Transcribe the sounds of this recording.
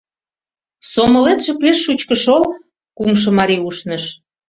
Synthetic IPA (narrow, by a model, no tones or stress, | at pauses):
somŏlet̪ʃĕpeʃːut͡ɕkə̆ʃol | kumʃ̬ɤ̆mɑɾiuʃnɤ̆ʃ